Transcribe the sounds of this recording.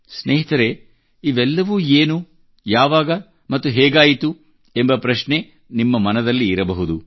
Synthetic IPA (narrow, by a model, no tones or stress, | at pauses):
sneːɦit̪ɐɾe | iʋɛlːɐʋuːeːnu | jaːʋaːɡɐ | mɐt̪ːuɦɛːɡaːjit̪u | embɐpɾɐʃne̞ | nimːɐmɐnɐd̪ɐlːiːɾɐbɐɦud̪u